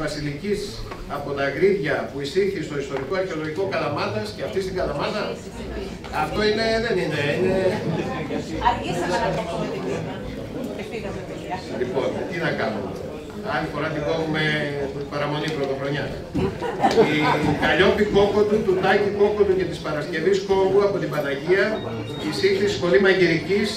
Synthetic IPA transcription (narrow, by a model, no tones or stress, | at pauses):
vɐsilicis | ɐpo̞t̪ɐɣɾiðʝɐpuisiɾçist̪o̞ist̪o̞ɾiko̞ɐɾçeo̞lo̞ʝiko̞kɐlɐmɐðɐsceɐft̪ist̪iŋɡɐlɐmɐðɐ | ɐft̪o̞ine̞ðe̞nineineɾɣɐsi | lipo̞nt̪inɐkɐnṵmee | ɐlifo̞ɾɐt̪ikonumepɐɾɐmo̞nipɾot̪o̞xɾo̞ɲɐ | ikɐʎo̞piko̞kot̪ut̪uðɐciko̞kot̪uce̞t̪ispɐɾɐsce̞visko̞puɐpo̞t̪ibɐnɐʝiɐ | isixθisi̥spo̞limɐʝiɾicis